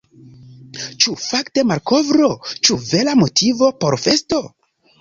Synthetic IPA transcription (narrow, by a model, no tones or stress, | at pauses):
t͡ʃufakte̞malko̞vɾo̞t͡ʃuve̞lamo̞tʰivo̞po̞ɾfe̞sto̞